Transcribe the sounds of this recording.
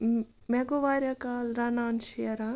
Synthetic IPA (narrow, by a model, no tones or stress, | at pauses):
mɛɡoʋaːɾjakaːlɾanaːnʃijɐɾa